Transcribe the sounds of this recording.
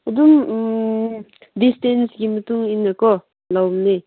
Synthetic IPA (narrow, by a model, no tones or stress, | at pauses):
ɐdum | distensɡimɐtuŋinːakɔ | lawmni